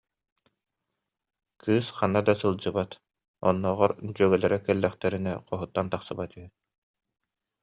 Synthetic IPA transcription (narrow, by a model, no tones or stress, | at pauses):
kʰɯːsχanːad̪asɯlˠd͡ʑɯbat̪ | ɔ̰nːɔʁɔɾd͡ʑyœɡœlɛɾɛkɛlːɛχt̪ɛɾinɛqʰɔɦut̪ːant̪aqsɯbat̪yɦyn